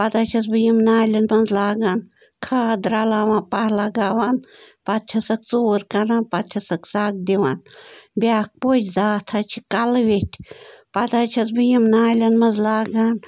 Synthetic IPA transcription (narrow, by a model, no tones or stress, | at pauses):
pɐd̪aːt͡ʃʰɐsbɨjimnaːlʲɐnmɐnzlaːɡaːn | kʰaːd̪ɾaːlaːʋãːnpahlaɡaːʋanpɐt̪̚t͡ʃʰɐsɐkt͡soːɾkɐɾanpɐt̪t͡ʃʰɐsɐksak̚d̪iʋanbʲaːk̚poːt͡ʃzaːt̪ʰat͡ʃʰikɐlʋetʲpɐd̪aːt͡ʃʰɐsbɨjimnaːlʲɐnmɐnzlaːɡaːn